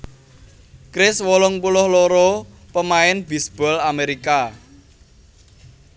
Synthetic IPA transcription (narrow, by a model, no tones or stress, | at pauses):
kɾɪswɔlɔŋpulʊhloɾɔ | pəmaɪnbi̤sb̥ɔ̤lameɾika